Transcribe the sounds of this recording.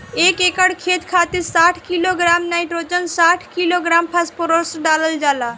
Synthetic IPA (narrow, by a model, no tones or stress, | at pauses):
ekekəɽkʰet̪kʰat̪iɾsaʈʰkiloɡɾamnajʈɾot͡ʃənsaʈʰkiloɡɾampʰaspoɾəɽsɖaləld͡ʒaːla